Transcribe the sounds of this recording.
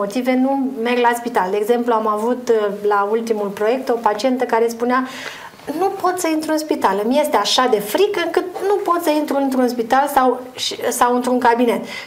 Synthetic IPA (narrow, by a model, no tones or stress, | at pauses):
o̞t̪ive̞nume̞rɡlaspit̪ald̪eeɡze̞mpluamavut̪lault̪imulpɾo̞je̞k̚t̪o̞pat͡ʃie̞nt̪əkaɾe̞spunea | nupo̞t̪səint̪ɾuɨnspit̪alɨmje̞st̪e̞aʃad̪e̞fɾikəɨŋkɨt̪̚nupo̞t̪səint̪ɾuɨnt̪ɾuɨnspit̪alsawʃsawɨnt̪ɾuŋkabine̞t̪